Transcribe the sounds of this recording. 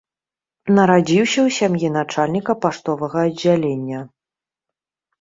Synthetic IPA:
nɐɾad͡zʲiwsʲɐwsʲamjinat͡ʂalʲnʲikɐpaʂt̪ɔvɐɣɐːd͡zʲːalʲenʲːɐ

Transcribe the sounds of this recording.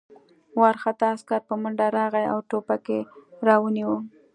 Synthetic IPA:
wɑɾxat̪ɑːskaɾpəmʊɳɖaɾɑɣaja̰wʈopakeɾɑwəniwə

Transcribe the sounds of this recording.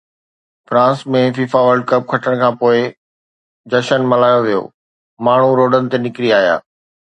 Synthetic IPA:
fɾãːsmẽfiːfaʋəɾɖ̚kɐb̚kʰɐʈʰəɽ̃kʰãːpoːɪ | d͡ʑɐʃənmɐlaːjoʋijo̰ː | maːɳ̤uɾoːɖənɪ̆t̪enɪkɾiaːɦija̰ː

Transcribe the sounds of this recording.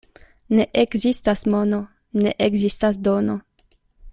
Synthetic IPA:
neʔekzistasmono | nḛʔeɡzistas̬d̪ono

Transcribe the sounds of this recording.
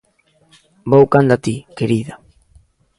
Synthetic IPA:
bowkand̪at̪ikeɾiða

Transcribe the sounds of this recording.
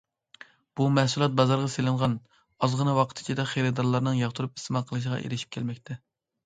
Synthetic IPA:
b̥umɛhsulˠɑt̪̚bɑzɑɾʁɑselɨɴʁɑn | ɑzʁənɨwɑqʰə̥t̪ʰɪ̥t͡ʃʰid̪ɛχeɾɨd̪ɑɾlˠɑɾnɨŋjɑχt̪ʰuɾupi̥st̪ɨmɑqʰəlˠɨʃ̬əʁɑ̰ʔḛɾɪʃi̥p̚kʲʰɛlmɛkʲt̪ʰɛ

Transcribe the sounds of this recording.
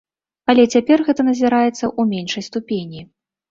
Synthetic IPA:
ɐlʲɛt͡sʲapʲɛrɣɛt̪ɐnɐzʲiɾajɛt̪sːɐʔumʲenʂɐjst̪upʲenʲi

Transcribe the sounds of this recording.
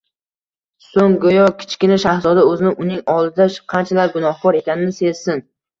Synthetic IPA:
soŋɡojɒkʲʰɪ̥t͡ʃkʲɪnaʃahzɒd̪aɵzɪnɪʔʊnɪŋɒlˠd̪ɪd̪aqʰɑnt͡ʃʰalaɾɡʊnɒhkʰɒɾe̞kʲanɪnɪse̞zsɪn

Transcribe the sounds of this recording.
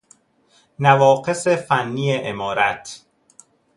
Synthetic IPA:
nævɒːɢe̞sefænːiːjeʔemɒːɾæt̪ʰ

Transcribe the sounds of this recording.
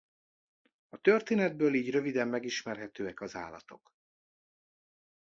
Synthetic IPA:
ɒt̪ørt̪eːnɛd̪̚bøːliːɟrøvid̪ɛmːɛɡiʃmɛrɦɛt̪øːɛkɒza̰ːlːɒ̰t̪o̞̰k

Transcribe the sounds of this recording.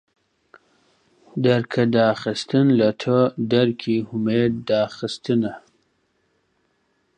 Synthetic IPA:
d̪aɾkʰad̪ɑxist̪ənlat̪ʰəd̪aɾkʰihʊmed̪̚ːɑxəst̪əna

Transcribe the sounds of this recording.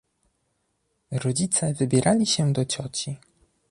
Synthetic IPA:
ɾɔd͡ʑit̪sɛvɘbʲjɛɾʔalʲiɕɛd̪ɔt͡ɕɔt͡ɕi

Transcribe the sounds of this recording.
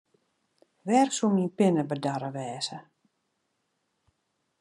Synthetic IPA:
ʋɛrksuminpɪnəbədaɾəʋɛːsə

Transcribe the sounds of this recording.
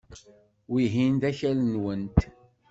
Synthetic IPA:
wiɦind̪æçælənwənt̪

